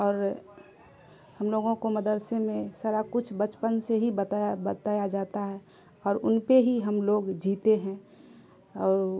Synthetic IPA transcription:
ɔːɾ | həmloːɡõkoməd̪əɾsemẽsaːɾakʊt͡ʃʰbət͡ʃpənseɦibət̪ajabət̪aːjad͡ʒaːt̪aɦɛ | ɔːɾʊnpeɦiɦəmloːɡd͡ʒiːt̪eɦɛ̃ | ɔːɾ

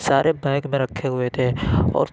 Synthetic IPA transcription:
saːɾʔebɛːɪkmẽɾɐkʰːeɦʊet̪ʰeɔ̰ːɾ

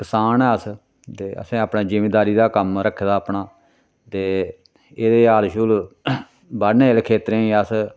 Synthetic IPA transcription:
kɪsaːnɛːəs | t̪eːə̰sẽːaːpnaːd͡ʒəmeːd̪aːɾiːd̪aːkəmɾəkʰːd̪aːpɳaː | t̪eː | eːd̪eːaːlʃʊl | baɽnẽːlkʰːeːt̪ɾẽːiəs

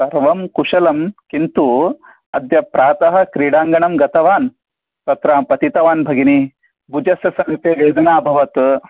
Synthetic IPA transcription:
sɐɾʋɐmkuʂɐlɐmkint̪u | ɐ̰d̪jɐpɾaːt̪ɐɦɐ̆kɾiːɽaːŋɡɐɳɐmɡɐt̪ɐʋaːn | t̪ɐt̪ɾaːmpɐt̪it̪ɐʋaːnbʱɐɡini | bud͡ʒɐsjɐsɐŋt̪eːʋeːd͡ʒɐnaːbʱɐʋɐt̪

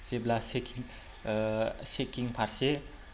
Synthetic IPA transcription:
seblaseki | sekiŋpʰaɾse

